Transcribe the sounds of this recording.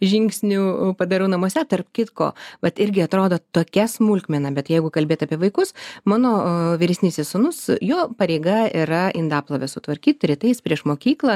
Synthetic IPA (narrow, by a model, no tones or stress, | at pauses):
ʒʲɪŋʲksʲnʲuːpɐd̪ɐɾɐʊnɐmoɔsʲɛt̪ɐrpkʲɪt̪ko̰ːʋɐt̪ɪɾʲɡʲɪɐt̪ɾoːd̪oːt̪oːkʲɛsmʊlʲkmʲɛnɐbʲɛt̪jɛɪɡʊkɐlʲbʲeːt̪ɐpʲiɛʋɐɪkʊsmɑːnoːʋʲɪɾʲɛsʲnʲiːsʲɛsʊnʊsjoːpɐɾʲɛɪɡɐiɾɐʔɪnd̪ɑːplˠɐʋʲɛsʊt̪ʋɐɾʲkʲiːt̪ɾʲɪt̪ɐɪspʲɾʲiɛʃmoːkʲiːklˠɐ